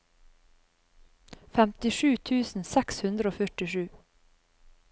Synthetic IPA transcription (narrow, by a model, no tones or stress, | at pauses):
fɛmt̪ɪʂʉːt̪ʰʉːsn̩sɛkshʉnd̪ɾəoːfœʈɪʃʉː